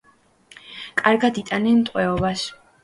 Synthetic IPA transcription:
kʼaɾɡad̪it̪ʼanɛnt̪ʼqʼwɛɔbas

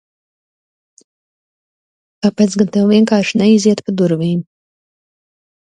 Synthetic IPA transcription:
kaːpeːt̪sɡant̪ɛwviɛŋkaːɾʃinɛiziɛt̪pad̪uɾviːm

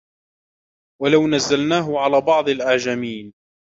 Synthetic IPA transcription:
walawnazːalnaːɦʊʕalaːbɑʕd̪ˤalʔaʕd͡ʒamiːn

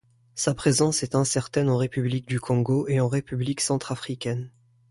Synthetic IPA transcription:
sapχezɑ̃sɛt̪ɛ̃sɛʁt̪ɛnɑ̃ʁepyblik̚d̪ykʰɔ̃ɡoʔeɑ̃ʁepybliksɑ̃t̪χafχikʲɛn

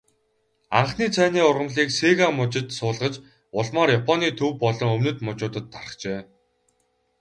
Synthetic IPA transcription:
aɴχniːt͡sʰæːniːʊrʁə̆mɮiːkseɣamʊt͡ɕɪ̆t̪sʊːɮʁə̆t͡ɕ | ʊɮmɔːɾjapʰɔniːt̪ʰɵwpɔɮɞ̆ŋɵmnɵ̆t̪mʊt͡ɕʊːt̪ə̆t̪ʰːarə̆χt͡ɕeː

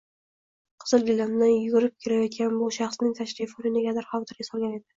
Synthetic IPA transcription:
qʰɨz̥ɨlˠɡʲɪlːand̪anjʊɡʲʊɾɪp̚kʲʰeɾajɒt̪̚kʲanbʊʃɑχsnɪŋʲt̪ʰaʃɾifonɪnɪɡʲad̪aɾχɒwt̪ʰɪɾɡʲasɒlˠɡʲane̞d̪ɪ

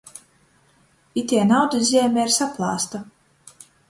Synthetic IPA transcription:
it̪ʲiɛnawd̪izʲiɛmʲɛiɾsaplˠɑːst̪a

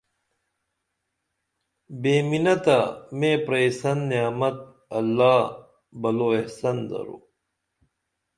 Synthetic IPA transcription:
beːminɐt̪amẽːpɾejsɐnːijaːmɐt̪̚ | ɐlːaː | bɐloehsɐnd̪ɐ̰ɾo̰ː

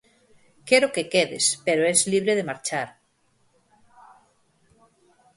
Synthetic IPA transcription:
keɾokekeðḛspeɾoezliβɾeðemaɾt͡ʃaɾ

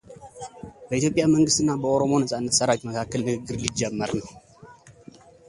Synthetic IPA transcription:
bəʔit̪jopʼjaməŋɡɨst̪ɨnːabəo̞ɾo̞mo̞nəsʼanːət̪səɾawitməkʰakːəlnɨɡɨɡːɨɾlid͡ʒːɛmːəɾnəw

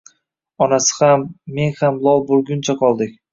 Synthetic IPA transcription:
ɒnasɪ̥hamːe̞ŋhamlˠɒlˠbolˠɡʲʊnt͡ʃʰaqʰɒlˠd̪ɪkʲ

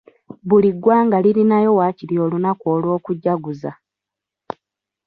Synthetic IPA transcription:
βuliɡwaːŋɡaliɾinajo̞waːciɾio̞ːlunakwoːlwo̞ːkuɟːaɡuza̰

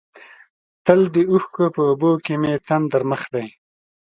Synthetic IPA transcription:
t̪əld̪euxkopəːbokemet̪and̪əɾməxd̪aj

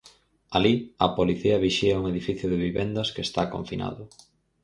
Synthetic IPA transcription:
aliɐpoliθiɐβiʃiɐuŋeðifiθjʊðɪβiβɛnd̪ɐskest̪akõ̰ɱfina̰ðʊ

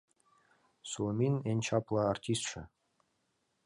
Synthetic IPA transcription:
somʲinenʲt͡ɕɑplˠɑartʲist̪ʂɘ̰̆

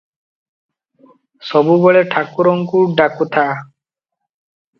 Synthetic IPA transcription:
sɔbubɔɭeʈʰakuɾɔŋkuɖakut̪ʰa

